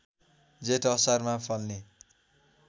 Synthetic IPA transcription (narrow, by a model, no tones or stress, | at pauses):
d͡zeʈʌsarmapʰʌlne